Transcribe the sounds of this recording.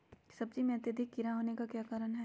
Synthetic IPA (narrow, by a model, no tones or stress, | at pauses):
sɐb̚d͡ʒimẽɐt̪jəd̪ʱɪk̚ɡɪɾaɦoːnekakjaːkaːɾəɽɦɛ